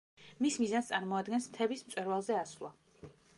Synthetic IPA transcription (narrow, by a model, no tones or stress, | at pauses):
mismizanst̪ʼaɾmɔad̪ɡɛnsmt̪ʰɛbismt̪sʼwɛɾvalˠzɛasvlˠa